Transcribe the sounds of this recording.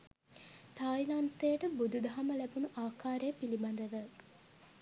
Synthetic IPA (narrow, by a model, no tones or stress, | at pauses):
t̪aːjlant̪ejəʈəbud̪ud̪ɐɦaməlæbunuʔaːkaːɾejəpiliband̪əʋə